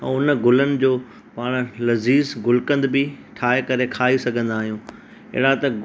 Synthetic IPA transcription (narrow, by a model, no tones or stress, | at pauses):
ɛ̰̃ːʊnɡʊlənɪ̆d͡ʑoː | paːɽ̃lɐziːzɡʊlkə̃nd̪bɪʈʰaːekɐɾekʰaːisɐɡʱə̃nd̪aːɦijũː | ɪ̰ɦɪɽat̪ɐ